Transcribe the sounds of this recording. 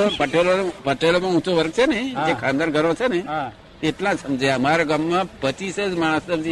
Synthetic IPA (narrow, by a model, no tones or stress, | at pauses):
pəʈelonpəʈelomãũt͡ʃʰoʋəɾk̚t͡ʃʰenĩd͡ʒekʰãnd̪anɡʱəɾõt͡ʃʰenəĩ | t̪eʈlãsəmd͡ʒaəmaɾaɡamːãpət͡ʃised͡ʒmaɽ̃əsəbd͡ʒi